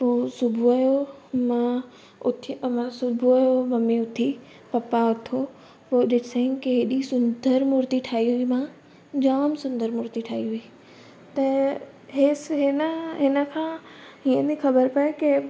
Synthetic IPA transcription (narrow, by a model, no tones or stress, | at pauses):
poːsʊbʱuɐjomã | ʊt̪ʰmãsʊbʱuɐjomɐmiʊt̪ʰi | pɐpaʊt̪ʰo | poːɗɪsəĩnkeɦɪɗisʊ̃nd̪ʱəɾmʊɾt̪iʈʰaːiɦʊimã | d͡ʑaːmsʊ̃nd̪əɾmʊɾt̪iʈʰaːiɦuiː | t̪ɐ | ɦeːsɦɪnəɦɪnəkʰãːiːə̃nd̪ixɐbəɾpɐekɪ